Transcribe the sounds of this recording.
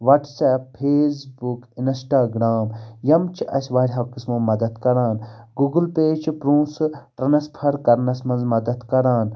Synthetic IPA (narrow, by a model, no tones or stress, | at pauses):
ʋɐːʈsɛːppʰːeːs̬bukinsʈaːɡɾaːmjɐmt͡ʃʰiʔɐsʲʋaːɾʲɦɐwkismomɐd̪ɐt̪kɐɾaːnɡuɡəlpeːd͡ʒd͡ʒpɾũːsʈɾɐnɐspʰɐɾkɐɾnɐsmɐnzmɐd̪ɐt̪kɐɾaːn